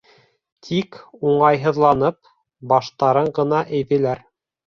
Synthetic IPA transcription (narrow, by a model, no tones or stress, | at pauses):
t̪ʰikuɴɑjɦɤ̆ðlˠɑnɤp̚ | bɑʃt̪ɑɾɤɴɢɤ̆nɑʔɘ̆jðɘ̆læɾ